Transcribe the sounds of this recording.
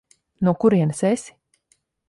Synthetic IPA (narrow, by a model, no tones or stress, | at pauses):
nuɔkuɾiɛnɨsesʲi̥